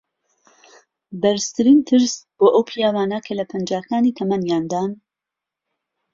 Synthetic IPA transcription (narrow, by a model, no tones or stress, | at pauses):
bɐɾst̪ʰɨɾiːnt̪ʰɨɾsb̥oːʔɐwpʰijaːwaːnɐkʰɐlɐpʰɐnd͡ʒaːkaːnit̪ʰɐmɐnjaːnd̪aːn